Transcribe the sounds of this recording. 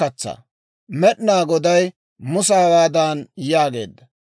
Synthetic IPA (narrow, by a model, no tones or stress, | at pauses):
ɐt͡sːɐ̰ | mɛɗnaːɡɔd̪ɐj | mʊsaːwaːd̪aːnjaːɡe̞̰ːd̪ːɐ